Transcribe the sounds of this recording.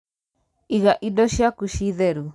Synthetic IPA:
iɣaʔidoʃiakuʃiðeɾu

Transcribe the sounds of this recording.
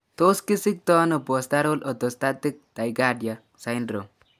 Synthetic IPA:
t̪oːskisik̚t̪ɔːnobɔst̪aɾolʔɔd̪ɔst̪at̪ik̚d̪̥ajɡaːɖja | sajnɾo

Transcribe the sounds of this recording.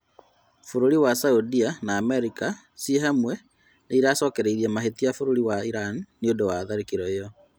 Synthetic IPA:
foɾoɾiwasaudianaːmɛɾika | sieɦamwɛ | neiɾasɔːkɛɾeiɾiɛmaɦetijafoɾoɾiwaiɾanniondowaðaɾekiɾɔejɔ

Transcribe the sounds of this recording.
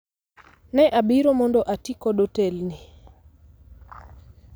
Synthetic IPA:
nɛʔabiɾomɔndɔʔatikɔɗotɛlni

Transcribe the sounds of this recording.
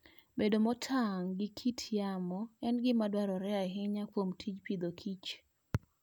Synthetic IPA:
bedomɔtʰaŋɡɪkʰitʰjamɔɛnɡɪmadwaɾɔɾɛaɦɪɲakwomtʰit͡ʃpid̪okʰit͡ʃ

